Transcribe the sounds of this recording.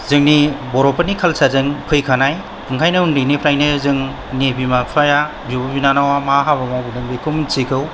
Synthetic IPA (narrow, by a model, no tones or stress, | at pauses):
zɯŋnibɔɾɔpʰanikʰalsazɯŋpʰɯjkʰanaj | ɯŋkʰajnɯundɯjnipʰɾajnɯzɯŋ | nebimapʰaja | bibabinanawamaɦabamawbinɯŋbɯkʰɯmnsikʰɯw